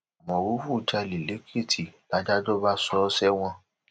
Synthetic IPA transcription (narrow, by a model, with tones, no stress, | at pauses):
mɔ̃˨wu˦fu˦˨d͡ʒa˧li˨le˨˦kʰe˦˨tʰi˨la˨˦d͡ʒa˦d͡ʒɔ˦ba˦sɔ˦sɛ˦w̃ɔ̃˧